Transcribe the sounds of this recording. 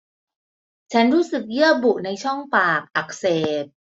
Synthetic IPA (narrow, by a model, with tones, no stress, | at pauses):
t͡ɕʰa˦˥nɾuː˦˥sɯ˨˩k̚jɯ˥˩əbu˨˩ʔna˧jt͡ɕʰɔ˥˩ŋpaː˨˩k̚ʔa˨˩k̚seː˨˩p̚